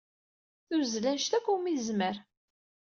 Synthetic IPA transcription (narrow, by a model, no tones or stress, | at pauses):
θuzlænʃt̪ækʷːumizməɾ